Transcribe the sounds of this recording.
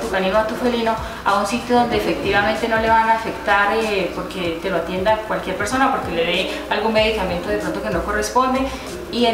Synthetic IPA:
t̪ukaniɣoat̪ufelino̞ | a̰unsit̪joðo̞nd̪eeːfe̞k̚t̪iβamẽ̞nt̪e̞no̞le̞βanaːfe̞kt̪aɾepo̞ɾke̞t̪e̞loat̪je̞nd̪akwalkje̞ɾpe̞ɾso̞napo̞ɾke̞le̞ðe | alɡunme̞ðikamje̞nt̪o̞ðe̞pɾo̞nt̪̬o̞keno̞ko̞respo̞nd̪e | ie

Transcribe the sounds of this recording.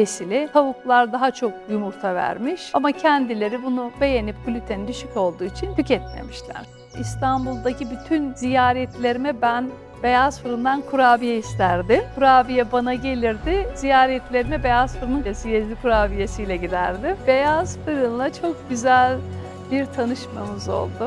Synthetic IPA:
esilʲɪt̪ʰavuklˠaɾd̪aɦat͡ʃʰo̞k̚jumuɾt̪ʰavæ̰ɾmiʃamacʰɛnd̪ilʲe̞ɾibunube̞jenip̚kʰulʲyt̪ʰenind̪yʃyco̞lˠd̪uːit͡ʃʰint̪ycɛt̪̚mḛmiʃlʲæ̰ɾ̥ | ist̪ʰanbulˠd̪acʰibyt̪ʰynzijaːɾɛt̪lʲe̞ɾimɛbæn | be̞jaz̥fɯɾɯnd̪ankʰuɾaːbijɛist̪ʰæɾd̪ɪmkʰuɾaːbijɛbanaɟe̞lʲiɾd̪ɪz̥ijaːɾɛt̪lʲe̞ɾimɛbe̞jazfɯɾɯnɯnesɯjezlʲikʰuɾaːbijesijlʲɛɟid̪æɾd̪ɪmbe̞jaz̥fɯɾɯnlˠat͡ʃʰo̞k̚ɟyzælʲ | biɾt̪ʰanɯʃma̰mɯzo̞̰lˠd̪ʊ

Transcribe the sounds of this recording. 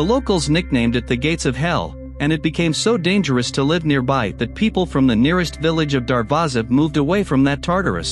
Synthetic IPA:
ðəloʊkl̩ˠznɪk̚nẽɪ̃mdɨt̪̚ðɨɡeɪtsʌv̥ɦɛlˠ | ɨ̃ñɨt̚b̥ɨkʰẽɪ̃msoʊdẽɪ̃nd͡ʒə˞ɨstʰəlɪvnɪɹbaɪðɨt̚pʰipl̩ˠfɹʌ̃mðɨnɪɹɨstvɪlˠɨd͡ʒʌvdɑɹvɑzɨmuvdəweɪfɹʌ̃mðɨtʰɑɹɾə̰˞ɨ̰s

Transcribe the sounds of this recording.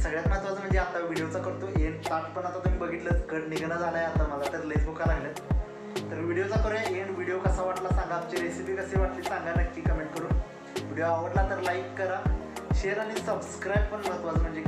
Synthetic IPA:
səɡɭjat̪mət̪ʋad͡zm̤əɳd͡zeat̪aʋʋiɽijot͡sakəɾt̪oʔeɳt̪aʈpəɳat̪at̪um̤iːbəɡʱiːt̪ləkəɽniɡnəd͡zʱaləjat̪am̤əlat̪əɾlesbukalaɡlə | t̪əɾʋiɽijot͡sakoɾeeɳʋiɽijokəsaʋaʈlasãŋɡap̚t͡ɕeɾesipiːkəseʋaʈliːsãŋɡanakːiːkəmeɳʈ̚kəɾuːn | ʋiɽijoaʋəɽlat̪əɾlajkːəɾaɕeəɾaɽ̃isəbskɾajb̚pəɳmət̪ʋad͡zm̤əɳd͡ze

